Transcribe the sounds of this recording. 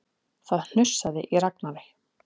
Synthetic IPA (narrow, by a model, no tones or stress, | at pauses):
θaðn̥ʏr̥saðɪʔiɾaknaɾɪ